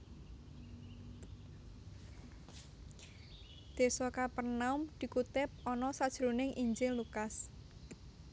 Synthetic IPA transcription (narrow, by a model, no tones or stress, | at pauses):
d̪̥e̤sɔkapərnaʊmd̪̥i̤kut̪ɪp̚ɔnɔsad̥ʒ̥ɾunɪŋʔiɲd͡ʒɪŋlukas